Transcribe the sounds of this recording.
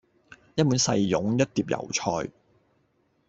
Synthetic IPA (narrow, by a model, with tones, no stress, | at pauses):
jɐ˥t̚mu˨˥nsɐ˧jːʊ˨˥ŋjɐ˥t̚t̪iː˧p̚jɐ̰˨˩wt͡ʃʰɔː˧j